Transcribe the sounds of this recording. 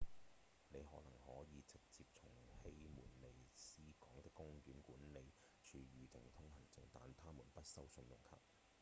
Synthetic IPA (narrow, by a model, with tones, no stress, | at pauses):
ne˨˧jɦɔː˨˥nɐ˨˩ŋhɔː˨˥jiː˨˧t͡sɪ˨k̚t͡siː˧p̚t͡sʰʊ˨˩ŋhe˥jmuː˨˩nle˨˩jsiː˥kɔː˨˥ŋt̪ɪ˥kːʊ˥ŋjyː˨˥nkuː˨˥nle˨˧j | t͡ʃʰyː˨˧ɥyː˨˧t̪ɪ˨˩ŋt̪ʰʊ˥ŋhɐ˨˩nt͡sɪ˨ŋt̪a̰ː˨nt̪ʰaː˥muː˨˩npɐ˥t̚sɐ˥wsɵ˧njʊ̰˨˩ŋkʰɐ̰ː˨˧p̚